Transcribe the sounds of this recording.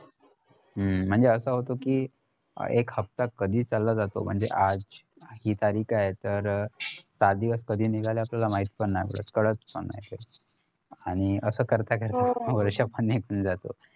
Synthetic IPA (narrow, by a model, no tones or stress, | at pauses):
ɦə̤ːəɳd͡zeəsəːɦot̪okḭː | ekhəp̚t̪akːəd̪ʱiːt͡salːad͡zat̪o̰m̤ə̰ɳd͡zḛʔad͡z | hiːt̪aɾiːkʰajet̪əɾsat̪̚d̪iʋəskəd̪ʱiːnikaljapljalamaɦit̪pəɳnajpə̰ɽ̤ə̰t͡skəɽət͡spəɳnːa̰jt̪e | aɽ̃iəsəːkəɾt̪akəɾt̪aʋəɾʂapəɳnekʰuːnd͡zat̪o̰